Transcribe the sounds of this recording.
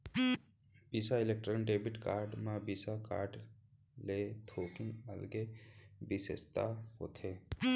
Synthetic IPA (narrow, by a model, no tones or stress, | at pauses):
biːsaɪlek̚ʈɾənɖeːbɪʈkaːɾɖmãbiːsaka̰ːɾɖ | let̪ʰoːkɪnəlɡebɪsḛst̪a̰ɦo̰ːt̪ʰeː